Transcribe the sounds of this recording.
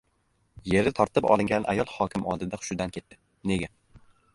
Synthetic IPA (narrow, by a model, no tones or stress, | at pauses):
je̞ɾɪt̪ʰɒɾt̪ʰɪpɒ̰lˠɪŋɡʲanʔa̰jɒlˠhɒkʲɪmɒ̰lˠd̪ɪd̪aχʊ̥ʃʊd̪ankʲʰe̞t̪ːɪ̥ | ne̞ɡʲa